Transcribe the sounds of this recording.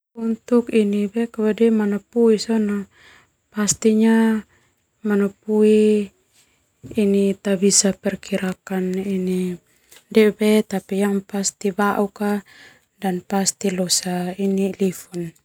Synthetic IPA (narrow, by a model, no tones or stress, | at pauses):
unt̪ukinibɛkaβadɛmanapuisɔna | past̪iɲa | manapui | nit̪abisapɛrkiɾakanini | dɛbɛt̪apijaŋpast̪ibaʔuka | danpast̪ilɔsainilifun